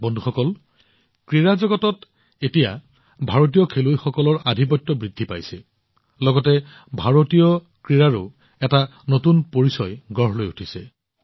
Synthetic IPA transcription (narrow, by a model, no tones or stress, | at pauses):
bɔndʱuxɔkɔl | kɹiɹazɔɡɔtɔt | etija̰ | bʱaɹot̬ijɔkʰelojxɔkɔlɔɹadʱip̬ɔjtːɔbɹidʱːipa̰jsɛ | lɔɡɔtɛ | bʱaɹotijɔ | kɹiɹaɹo | ɛtanotunpoɹisɔjɡɔɦlojutʰisɛ